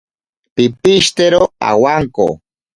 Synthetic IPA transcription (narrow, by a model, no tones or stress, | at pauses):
pɪpɪʃt̪eɾoa̰waŋko̰